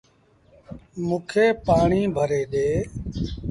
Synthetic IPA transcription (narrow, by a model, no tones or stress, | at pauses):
mũːkʰeːpaːɳiːbʱəɾeːɗeː